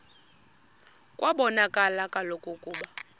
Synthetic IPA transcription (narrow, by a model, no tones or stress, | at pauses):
kʼwabɔnakʼalakʼalokʼɔkʼuːɓa